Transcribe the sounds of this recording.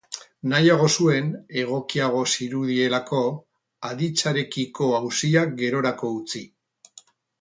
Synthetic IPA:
najaɣ̞o̞sue̞ne̞ɣ̞o̞kiaɣ̞o̞siɾuð̞ie̞lako̞ | aðit͡saɾe̞kiko̞awsiak̚ɡe̞ɾo̞ɾako̞ut͡si

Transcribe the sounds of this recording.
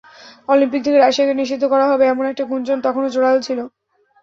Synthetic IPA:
ɔlimpik̚d̪ʱikeɾaʃiakeniʃid̪ʱːokɔɾaɦɔbeɛmonɛk̚ʈakund͡ʑont̪ɔkʰonod͡ʑoɽaɦot͡ɕʰilo

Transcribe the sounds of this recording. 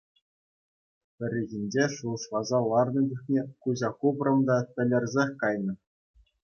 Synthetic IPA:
pʲɘ̆rʲiɣʲinʲd͡ʑeʂuɤ̆ʂlˠɑzɑlˠɑrnɤ̆d̪ʲuxnʲekuʑɑkubrɤ̆md̪ɑtʲɘ̆lʲːɘ̆rʲzʲexʲkɑjnɤ̆

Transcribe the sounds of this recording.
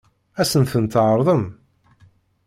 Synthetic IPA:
æsənθənt̪ʕəɾˤðˤəm

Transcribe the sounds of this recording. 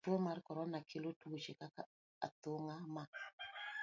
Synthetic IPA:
tomaɾkɔɾɔnakʰilotut͡ʃekaka | a̰toŋama

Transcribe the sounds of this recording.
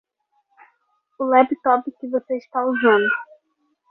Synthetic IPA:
ʊlɛpt̪ɔpɪkɪvoseiʃt̪auzɐ̃nd̪ʊ

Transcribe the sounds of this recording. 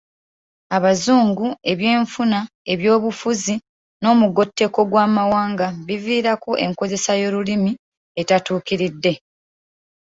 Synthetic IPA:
aβazuːŋɡue̞βje̞ːɱfuna | e̞βjo̞ːβufuzi | no̞ːmuɡo̞tːe̞ko̞ɡwaːmawaːŋɡaβiviːɾako̞ʔe̞̰ŋko̞ze̞sajo̞ɾulimi | e̞tatuːkiɾidːe̞

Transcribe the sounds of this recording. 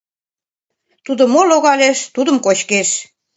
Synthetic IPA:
t̪ud̪ŏmoloɣɑlʲeʃt̪ud̪ə̆mkot͡ɕkeʃ

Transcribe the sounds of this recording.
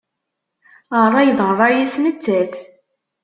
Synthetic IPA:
ərˤːɑjðʁərˤɑjæsmət͡sːæθ

